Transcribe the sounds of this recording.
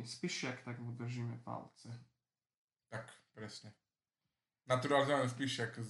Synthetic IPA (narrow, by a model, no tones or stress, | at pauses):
ispiʃjakt̪aɡmud̪r̩ʒiːmɛpa̰lt͡sɛ | t̪akpɾɛsɲɛ | nat̪uɾalɲɛɛs̬piʃjak